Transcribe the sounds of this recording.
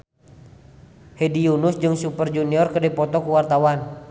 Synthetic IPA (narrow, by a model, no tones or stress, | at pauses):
hɛdiunʊsd͡ʒɨŋsupərd͡ʒuniɔrkədipɔt̪ɔkuwart̪awan